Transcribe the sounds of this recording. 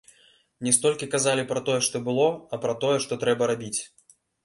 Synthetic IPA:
nʲɛst̪ɔlʲkʲikazalʲipɾɐt̪ɔjɛʂt̪ɔbɨlˠɔɐpɾɐt̪ɔjɛʂt̪ɔt̪ɾɛbɐɾabʲit͡sʲ

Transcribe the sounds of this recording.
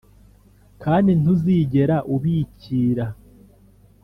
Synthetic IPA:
kʰaːndin̥uziːɟe̞ɾaʔuβiːciːɾa

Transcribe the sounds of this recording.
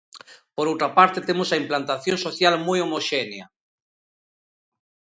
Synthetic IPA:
poɾowt̪ɾapaɾt̪et̪emosaimplant̪aθjõnsoθjalmujomoʃenja

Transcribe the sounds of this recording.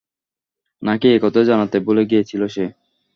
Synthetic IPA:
nakiekɔt̪od͡ʑanat̪eboleɡijet͡ɕʰiloʃe

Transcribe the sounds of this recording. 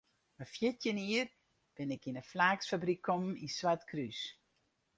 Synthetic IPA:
əfjɪtjəniər | b̥ɪnɪkinəflaːksfabɾikʰːɔmminswatkʰrys

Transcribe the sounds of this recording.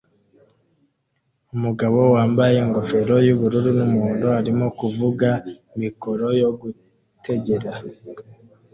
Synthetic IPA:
umuɡaβo̞waːmbaje̞ŋɡo̞fe̞ɾo̞juβuɾuɾunumuːndohaɾimo̞kuvuɡa | miko̞ɾo̞jo̞ɡu | tʰe̞ɟe̞ɾa

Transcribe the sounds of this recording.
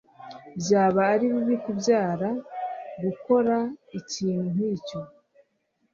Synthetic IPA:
bjaːβaːɾiβiβikubjaːɾaɡuko̞ɾaiciːn̥un̥iːco̞

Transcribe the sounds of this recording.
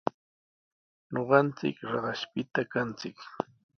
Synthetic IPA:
ɲoɢɑnt͡sɪ̰kɾɑɢɑʃpɪt̪akant͡sɪk

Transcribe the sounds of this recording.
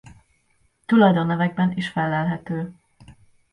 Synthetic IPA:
t̪ulɒjd̪onːɛvɛɡ̚bɛniʃfɛlːɛlɦɛt̪øː

